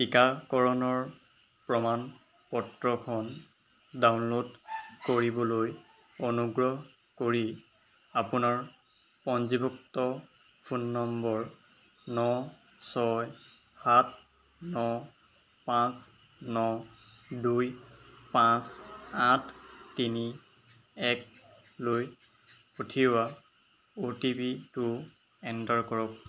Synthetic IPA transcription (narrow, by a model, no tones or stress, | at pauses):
kikakɔɹɔnɔɹ | pɹɔman | pɔtɹɔkʰɔn | dawnlodkoɹibɔloj | onuɡɹɔɦ | koɹi | apunaɹ | pɔnzibɔktɔ | pʰunːɔmbɔɹː | ɔ | sɔj | hat̚ʰ | nɔ | pãs | nɔ | dujpãsatʰtːini | ɛk̚ | loj | potʰiwa | otipitʊ | ɛntaɹkɔɹɔk̚